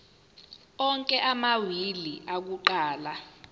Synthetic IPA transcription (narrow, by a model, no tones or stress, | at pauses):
ɔŋkʼɛʔamawiliʔak̬uǃaːla